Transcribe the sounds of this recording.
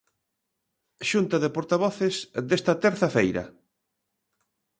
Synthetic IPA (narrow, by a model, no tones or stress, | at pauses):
ʃunt̪ɐðepoɾt̪aβɔθesðest̪ɐt̪ɛɾθɐfejɾɐ̰